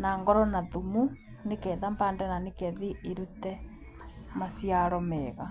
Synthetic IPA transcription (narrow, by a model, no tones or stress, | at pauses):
naŋɡɔɾɔnaðumu | nekɛðambandɛnanekɛðiʔiɾutɛ | masiaɾɔmɛːɣa